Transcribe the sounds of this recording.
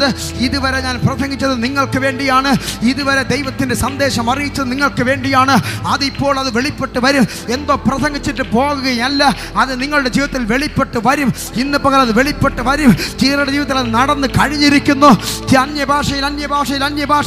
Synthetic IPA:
ðɨ | iðuʋɐɾe̞ɲaːnprɐsɐŋɡit͡ɕːɐðɨniŋːɐɭkɨʋe̞ːɳɖijaːɳɨiðuʋɐɾe̞d̪ejʋɐt̪ːinde̞sɐnd̪e̞ːɕɐmɐrijit͡ɕːɐðɨniŋːɐɭkɨʋe̞ːɳɖijaːɳɨɐðipːo̞ːɭɐðɨʋe̞ɭipːe̞ʈːɨʋɐɾum | e̞nd̪o̞ːprɐsɐŋɡʱit͡ɕːiʈːɨpo̞ːɣuɣɐjɐlːɐ | ɐðɨniŋːɐɭuɽed͡ʑiːʋɐt̪ːilʋe̞ɭipːe̞ʈːɨʋɐɾum | inːɨpɐɣɐlɐðɨʋeɭipːe̞ʈːɨʋɐɾumt͡ɕiːɾɐɽɐd͡ʑiːʋɐt̪ːilɐðɨnɐɽɐnːɨkɐɻiɲːiɾikʲːunːoːt͡ɕiɐnjɐbʱaːʂɐjilɐnjɐbʱaːʂɐjilɐnjɐbʱaːʂ

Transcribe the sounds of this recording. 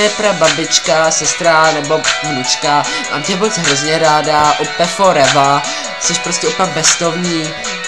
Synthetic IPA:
ɛpɾababɪt͡ʃkasɛst̪ɾanɛbo̞vnut͡ʃka | ma̰ːmt̪ɛbot͡sɦɾozɲɛɾaːdaʔupɛfoɾɛva | sɛʃpɾoscʲɛʔupak̚bɛst̪ovɲiː

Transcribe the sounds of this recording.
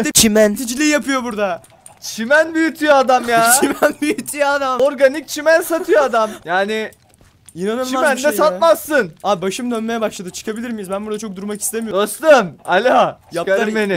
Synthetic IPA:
d̪ɛt͡ʃʰimænt̪ʰid͡ʒilʲijjapʰɯjo̞buɾd̪a | t͡ʃʰimænbyjyt̪ʰyjad̪amjaːt͡ʃʰimænbyjyt̪ʰyjad̪amoɾɡanik̚t͡ʃʰimænsat̪ʰɯjoad̪amjaːnɪ | inanɯlt͡ʃˠamænd̪ɛsat̪masːɯnabaʃɯmd̪ønme̞jɛbaʃlˠad̪ɯt͡ʃʰɯ̥kʰabilʲiɾmijizbænbuɾd̪at͡ʃʰo̞k̚d̪uɾmaki̥st̪ʰemioøst̪ømalʲaajap̪̚ˠmenɪ

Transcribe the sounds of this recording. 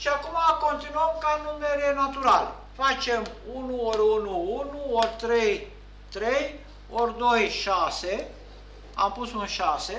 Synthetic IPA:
ʃiakumakont̪inuamkanummeɾienat̪uɾal | fat͡ʃemunuoɾunuunuoɾt̪ɾej | t̪ɾej | oɾnojʃase | a̰mpusmuʃase

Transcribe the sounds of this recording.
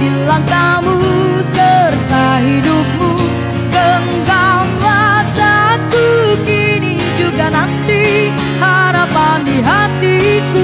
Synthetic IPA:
ilaŋkamu | sərt̪aɦidup̚mu | ɡəŋɡamlad͡ʒakuki | ni | d͡ʒuɡanant̪i | haɾapandiɦat̪iku

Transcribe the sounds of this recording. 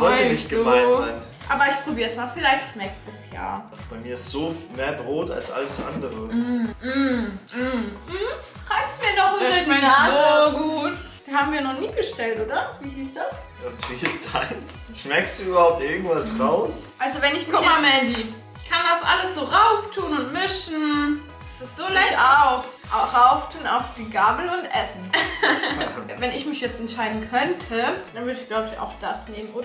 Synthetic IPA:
vɔʏənɪçt̚ɡ̥əuaɪnzaɪn | ʔaːbɐɪçpʁ̥obiːɐəsmaːlfɪlaɪçtʃmɛk̚tɛsja̰ːʔaχb̥aɪmiːɐɪstz̥oːmeːɐbʁoːta̰lsʔa̰ləsʔa̰ndəʁəm̩m̩m̩hm̩ | ʁaɪfstmiːɐdɔχʁemanoɡuːt | v̥ihaːbm̩viːɐnɔχniːɡəʃtɛltʔoːdɐviːɦiːsd̥as | ʔav̥iːɪstʰaɪns | ʃmɛkstd̥uːyːbɐhaʊp̚tʔɪɐɡŋ̩tv̥asʁaʊsʔalzovɛnɪçmɪkʊamɛndi | ɪkʰandasʔa̰ləsz̥oːʁaʊftʰuːnʊntmɪʃn̩ | d̥asɪstz̥oːlaaʊx | ʔaʊxʁaʊftʰuːnaʊfd̥iːɡaːbl̩ʊntʔɛsn̩ | vɛnɪçmɪçjɛt͡stɛntʃaɪdn̩kʰœntʰəd̥anvʏɐdəɪçɡ̥laʊbəɪça̰ʊxd̥asneːmənʔoːdɐ

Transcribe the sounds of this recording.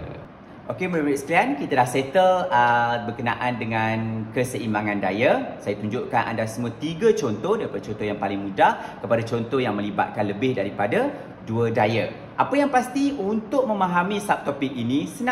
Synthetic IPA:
ʔokeməɾiit̪səkliankit̪adahsɛt̪ələbərkəna̰ʔandəŋankəsəʔimaŋãndajasajat̪uɲd͡ʒuʔkanʔa̰ndasəmũat̪iɡat͡ʃɔnt̪ɔdaɾipadat͡ʃɔnt̪ɔjaŋpalɪŋmũdahkəpadat͡ʃɔnt̪ɔjaŋmə̃liba̰t̪̚kanləbɪhdaɾipada | duədaja | ʔapəjaŋpast̪iunt̪ʊk̚mə̃mãɦamĩsap̚t̪oɔpɪk̚inisənã

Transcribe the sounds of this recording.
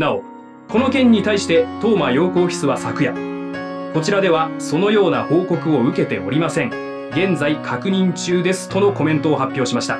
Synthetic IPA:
nao̞ | ko̞no̞kẽ̞ɲ̟ːit̪aiɕi̥t̪e̞t̪o̞ːmajo̞ːko̞ːçʲi̥t͡sɨβasakɯ̟ja | ko̞t͡ɕiɾad̪e̞βaso̞no̞jo̞ːnaho̞ːko̞kɯ̟o̞ɯ̟ke̞t̪e̞o̞ɾʲimasẽ̞ŋ | ɡẽ̞nd͡zaikʰakɯ̟ɲ̟ĩɲt͡ɕɨːd̪e̞sɨ̥t̪o̞no̞ko̞mẽ̞nt̪o̞ːɦapʲːjo̞ːɕimaɕi̥t̪a

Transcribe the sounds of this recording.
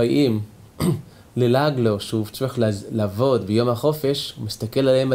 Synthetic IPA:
ajʔim | lelaɡloʃuvt͡ʃeχllavo̞d̪bejo̞mhaχo̞fe̞ʃumist̪ake̞lalhema

